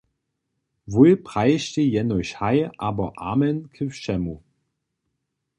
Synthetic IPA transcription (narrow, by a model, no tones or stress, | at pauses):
vulpʁ̥aɪʃtejɛnɔɕhaɪʔaːbɐʔa̰ːmɛnkʰɪfʃɛmu